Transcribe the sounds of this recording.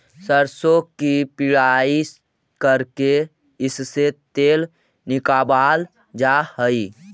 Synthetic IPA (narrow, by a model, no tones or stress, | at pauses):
səɾsokipɪɽaːi | kəɾke | ɪsset̪eːl | nɪkaːbaːl | d͡ʒahəi